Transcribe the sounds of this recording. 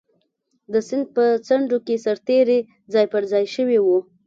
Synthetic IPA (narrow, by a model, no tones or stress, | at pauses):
d̪əsɪnd̪̚pət͡saɳɖokesaɾt̪eɾe | d͡zɑjpəɾzɑjʃəwiwu